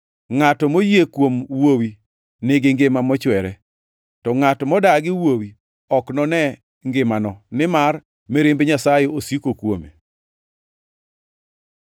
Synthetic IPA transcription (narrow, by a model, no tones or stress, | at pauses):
ŋatɔmojekwomwowi | nɪɡɪŋɡɪmamɔt͡ʃwɛɾɛ | tɔŋatɔmɔdaɡɪwowi | ɔknɔnɛ | ŋɡɪmanɔnɪmar | mɛɾɪmbɲasajeosikokwomḛ